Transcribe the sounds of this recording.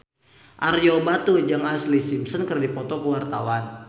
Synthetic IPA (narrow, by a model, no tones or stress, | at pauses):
ʔarijobat̪ud͡ʒaŋaslisimsənkərdipɔt̪ɔkəwart̪awan